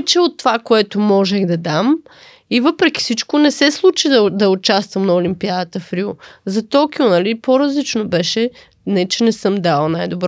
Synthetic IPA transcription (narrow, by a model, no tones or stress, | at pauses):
t͡ʃɛot̪ːovakoɛt̪omɔʒɛɣd̪ɐd̪am | ivɤpɾɛkʲi̥sit͡ʃkonɛsɛslˠut͡ʃid̪ɐd̪ɐʊt͡ʃast̪vəmnɐʊlimpiad̪ɐt̪əfɾiʊzɐt̪ɔkiʊnɐlipoɾɐzlit͡ʃnobɛʃɛ | nɛt͡ʃɛnɛsɤmd̪alˠnajd̪obɾɔ